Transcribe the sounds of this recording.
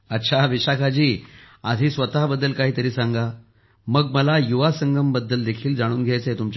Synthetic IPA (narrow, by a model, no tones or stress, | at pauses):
ətːɕʰaʋiɕakʰad͡ʑiː | a̰d̪ʱiːsʋət̪aɦbəd̪ːəlkaɦiːt̪əɾiːsãŋɡa | məɡməlajuʋasəŋɡʱəmbəd̪ːəld̪ekʰiːld͡zaɽ̃uːnɡʱjajt͡səɦet̪umt͡ɕ